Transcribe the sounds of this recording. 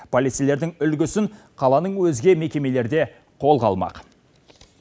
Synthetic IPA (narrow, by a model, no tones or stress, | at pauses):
pʰolʲit̪sijle̞ɾd̪ɪŋʏlɡʲʏsɪŋ | qʰɑlˠɑnəɴwɵzɡʲe̞me̞kʲe̞me̞le̞ɾd̪e̞ | qʰo̞lˠqɑ̰lˠmɑ̰q